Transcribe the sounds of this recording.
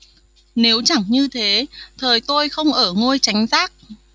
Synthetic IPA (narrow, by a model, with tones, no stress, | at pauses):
ne˨˦wt͡ɕa˧˩ŋɲɨ˧t̪ʰe˨˦t̪ʰəː˨˩jt̪o˧jxə˧wŋ͡mʔəː˧˩ŋo˧jt͡ɕa˨˦jŋ̟zaː˦˥k̚